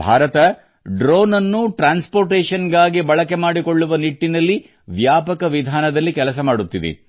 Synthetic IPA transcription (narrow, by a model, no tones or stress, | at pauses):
bʱaːɾɐt̪ɐ | ɖɾoːnɐnːuʈɾaːnspoːɾʈeːʂɐnɡaːɡibɐɭɐke̞maːɽiko̞ɭːuʋɐniʈːinɐlːi | ʋjaːpɐkɐʋid̪ʱaːnɐd̪ɐlːikɛlɐs̬ɐmaːɽut̪ːid̪ḛ